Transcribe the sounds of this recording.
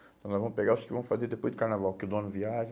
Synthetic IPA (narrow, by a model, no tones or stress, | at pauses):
tɐ̃w̃lazvɐ̃peɡaɾʊskɪvɐ̃fazeɾd̪epojzd̪ɪkaɾnavawkɪʊd̪õnʊviaʒɐ̃